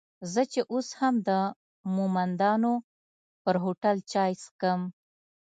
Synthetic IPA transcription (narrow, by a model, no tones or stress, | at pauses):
zət͡ʃeʔoshamd̪ə | mumand̪ɑno | pəɾɦoʈalt͡ʃɑjskəm